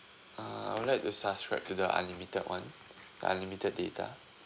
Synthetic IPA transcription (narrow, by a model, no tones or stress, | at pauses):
aa̰jwudlajk̚tusabskɹaɪp̚tudəʔa̰limitədwãn | d̥ə̰a̰limitəd̚detʰa̰